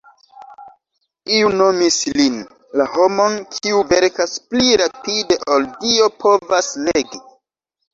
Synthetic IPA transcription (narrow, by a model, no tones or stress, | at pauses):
iuno̞mislin | laho̞mo̞nkʰiuve̞ɾkaspliɾapide̞ʔoldio̞pʰo̞vasleɡi